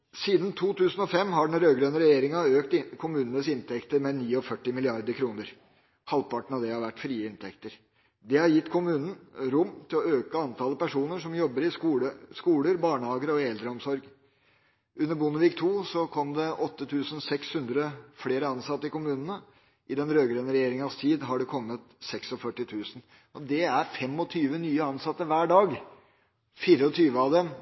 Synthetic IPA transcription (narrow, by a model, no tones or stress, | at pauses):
siːd̪ən̩t̪ʰuːt̪ʰʉːsn̩ɔfɛmːɦɑɖɛnɾøːɡɾœnəɾɛjeːɾɪŋɑøːkt̪kʰʊmʉːnənəsɪnt̪ʰɛkt̪əɾmɛniːɔfœʈːɪmɪlɪɑɾd̪əɾkʰɾuːnəɾ | hɑlpɑʈən̩ɑʋd̪ɛhɑɾʋæʈːfɾiːəɪnt̪ʰɛkt̪əɾ | d̪ɛhɑɾjɪt̪ːkʰʊmʉːnənɾʊmːt̪ʰɪlɔøːkəɑnt̪ʰɑːləpæʂuːnəʂɔmjɔbːəɾɪuːəskuːləɾbɑːɳəhɑːɡəɾəɔɛld̪ɾəɔmsɔɾɡ | ʉnːəɾbʊnəʋiːkt̪ʰuːsɔkʰɔmd̪ɛʔɔt̪ːət̪ʰʉːsən̩sɛkshʉnd̪ɾəfleːɾəɑnsɑt̪ːəɪkʊmʉːnənə | ʔɪd̪ɛnɾøːɡɾɛnəɾɛjeːɾɪŋɑst̪ʰiːd̪ɦɑɖɛkʰɔŋːət̪sɛksɔfœʈːɪt̪ʰʉːsn | ɔd̪ɛæɾfɛmːɔt̪ʰyːʋənyːəɑnsɑt̪ːəʋæːɖɑːɡ | fiːɾəɔt̪ʰyːʋəɑʋd̪ɛm